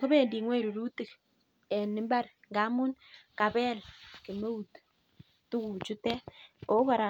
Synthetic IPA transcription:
kɔ˦be˦˨ndi˨ŋwe˦˨ɾu˨ɾu˦ti˨k | ɛ˨nːi˦mba˦ɾ | ŋɡa˨˦mu˦nka˨bɛ˦lki˨me˦u˨t | tu˦ɡu˨t͡ʃu˦tɛ˦o˦kɔ˨ɾa˨

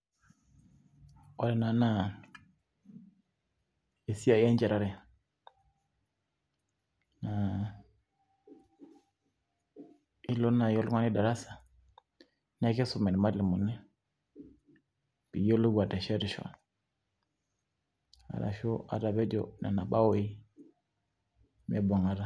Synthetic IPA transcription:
o˨˦dɛ˨na˨na˦˨ | e˨si˦a˦˨ja˦ɲd͡ʒɛ˨ɾa˦ɾɛ˨ | na˨ | i˦lo˦na˨jo˦lŋwa˦ni˦da˨ɾa˦sḁ˨ | na˦ke˦su˨mɛ˨n˨ma˦li˨mu˨nɛ˦ | pi˨jo˦lu˦ɡwa˨ta˨ʃa˦ɾi˨ʃɔ̰˨˦n | a̰˨ɾa̰˨ʃo˦a̰˨ɾa˨βɛ˦d͡ʒɔ̰˨na̰˨na˨ɓa˦wo˨˦i˦ | mɛ˦bɔ˨ŋa˦ɾa˨

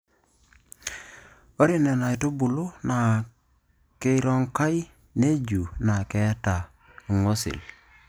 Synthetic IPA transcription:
o˦ɾi˦nɛ˨na˨jto˦bu˨lo˦na˨ | ke˦ɾɔ˦ŋka˦j | ne˦d͡ʒu˨na˨kɛ˨˦ta˨ | ŋo˦sɪ̰˨l

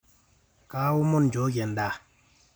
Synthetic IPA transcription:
ka˨˦wu˦mo˦˨n˨d͡ʒo˨˦ɡɛ˨n̩˨da˦˨

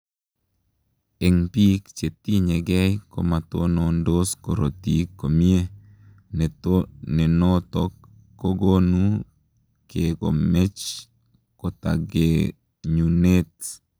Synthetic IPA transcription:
e˨ŋpi˦kt͡ʃe˨t̪i˦ɲe˨ɡɛ˦jko̰˨ma˨t̪ono˨ndo˦sko˨ɾo˨t̪i˨kːo˨mie˦ | ne˨tone˨no˦t̪okː | o˦ɡo˦nu˦ | keko̰˨me˦t͡ʃ | ko˨t̪a̰ɡe | ɲune˦t̪

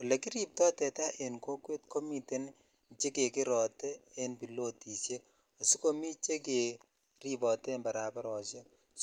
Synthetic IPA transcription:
ku˨le˨ki˦ɾi˨p̚tɔ˦tɛ˨ta˦ʔe˨nko˦kwe˦t̚ko˦mi˨te˦n | t͡ʃe˦ke˨kɪ˦ɾɔ˨tɛ˦e˦npi˨lo˦ti˨se˦k | a˨su˦ko˦mi˦t͡ʃe˦k̬e˨ | ri˨bɔ˨tɛ˦mba˨ɾa˨paɾɔ˨t͡ʃe˦k

